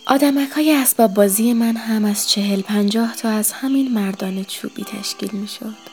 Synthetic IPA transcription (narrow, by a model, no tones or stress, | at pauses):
ʔɒːd̪æmækʰhɒːjeæsbɒːbːɒːziːje̞mænɦæmæz̥t͡ʃʰe̞ɦe̞lpʰænd͡ʒɒːht̪ʰɒːæz̥hæminmæɾd̪ɒːne̞t͡ʃʰṵːb̥ḭːt̪ʰæ̰ʃcʰḭːlmiːʃod̪̥